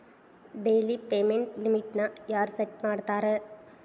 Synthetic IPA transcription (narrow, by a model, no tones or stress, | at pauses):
ɖeːlipeːmeɳʈlɪmɪʈnajaːɾsɐʈ̚maːɽt̪aːɾɐ